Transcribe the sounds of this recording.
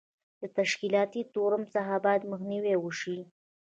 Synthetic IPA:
d̪ət̪aʃkilɑt̪it̪oɾəmsaɦabɑjad̪məxniwewəʃi

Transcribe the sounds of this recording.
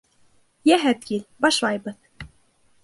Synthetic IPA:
jæɦæt̪kilbɑʃlˠɑjbɤð

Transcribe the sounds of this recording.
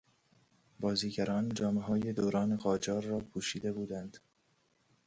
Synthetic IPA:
bɒːziːɟæɾɒːnd͡ʒɒːmeɦɒːje̞d̪oːɾɒːneɣɒːd͡ʒɒːɾːɒːpʰuːʃiːd̪ebuːd̪ænd̪̥

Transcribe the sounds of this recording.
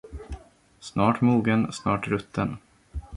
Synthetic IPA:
snɑːʈmuːɡənsnɑːʈɾɵt̪ʰːən

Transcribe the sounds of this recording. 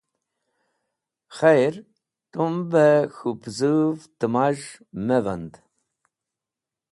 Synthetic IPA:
χɛjɾ | t̪ʼumbɛxupʰzɨvd̪ɨmaʒ | mɛvənd̪

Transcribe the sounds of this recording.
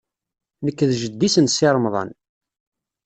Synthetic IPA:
nəkːðʒəd̪ːisənsɪɾˤmðˤɑ̰n

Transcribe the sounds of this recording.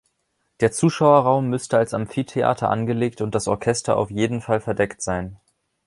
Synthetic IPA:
d̥eːɐt͡suːʃaʊɐʁaʊmːʏstəalsamfiːtʰeʔa̰ːtʰɐ̰ʔa̰nɡəleːktʊnt̚d̥asɔɐkʰɛstɐ̰ʔa̰ʊfjeːdn̩falfɛɐdɛktz̥aɪn

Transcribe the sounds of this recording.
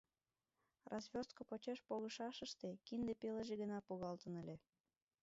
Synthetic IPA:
rʔɑzβʲost̪̚kopot͡ɕeʃpoɣə̆ʃɑʃəʃt̪ekind̪epeləʒeɣənɑpuɣɑlt̪ə̆nəlʲe

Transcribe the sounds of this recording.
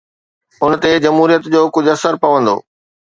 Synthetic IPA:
ʊnə̆t̪ed͡ʑɐmɦuːɾijət̪d͡ʑoːkʊd͡ʑʱɐsəɾpɐʋə̃nd̪o̰ː

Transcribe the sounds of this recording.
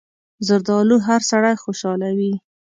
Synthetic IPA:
zʊɾd̪ɑluɦaɾsaɽajxoʃɑlawi

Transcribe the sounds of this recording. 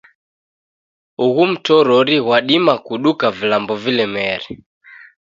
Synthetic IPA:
uɣum̩tɔɾɔɾiɣwaɗimakuɗukavilambɔvilɛmɛɾɛ

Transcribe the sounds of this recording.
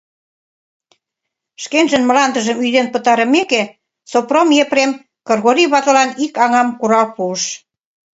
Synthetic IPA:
ʃkenʒə̆nmə̆lɑnd̪ə̆ʒə̆myd̪enpə̆t̪ɑɾə̆meke | sopromjepɾem | kɤrɣoɾiβɑt̪ɤ̆lɑnikɑŋɑmkuɾɑlpuəʃ

